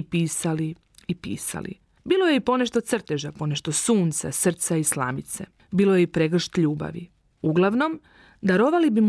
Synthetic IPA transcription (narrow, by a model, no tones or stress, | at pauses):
piːsali | ipḭːsa̰lḭ | biːlˠoje̞ipo̞ne̞ʃt̪o̞t̪srt̪e̞ʒapo̞ne̞ʃt̪o̞suːnt̪sa̰sr̩t̪saisla̰ːmit̪sḛ | biːlojeipɾeɡr̩ʃt̪ʎuːba̰ʋḭ | uɡlˠaʋno̞m | d̪aɾoʋalibim